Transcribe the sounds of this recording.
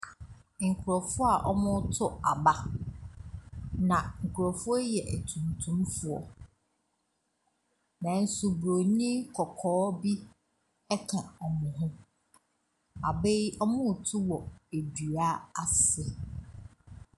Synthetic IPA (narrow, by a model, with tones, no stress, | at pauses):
ŋ̩˨kʰʊ˨ɾɔ˨fʊ˦a˨ʔɔ˦mʊ̃˦tʰʊ˦a˨ba˦ | nã˨ŋ̩˨kʰʊ˨ɾɔ˨fʊ˦ɔ˦jɛ˨ʔæ˨tʰũ˨ntʰũ˦mfʊ˦ɔ̰˨ | nã˨n̩˨su˨bɾo˨ɲĩ˦kʰɔ˨kʰɔː˨˦bi˦ | ɛ˦kʰã˨ɔ˨mʊ̃˨ɦʊ̃˦ | a˨be˦jɔ˦mʊ̃˦˨tʰʊ˦wɔ˨æ˨dɥa˦a˨sɪ˨